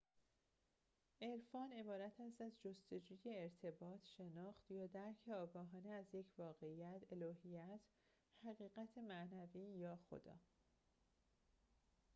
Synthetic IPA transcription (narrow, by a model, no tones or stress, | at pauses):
ʔe̞ɾfɒːne̞bɒːɾæt̪ʰæst̪æzd͡ʒo̞st̪e̞d͡ʒuːje̞ːɾt̪ʰe̞bɒːt̪ʰʃe̞nɒːxt̪jɒːd̪æɾcʰe̞ɒːɡɒːɦɒːneæzje̞cʰvɒːɣe̞ijæt̪ʰelɒːɦijæt̪ʰ | hæɣiːɣæt̪ʰemæʔnæviːjɒːxo̰d̪ɒ̰ː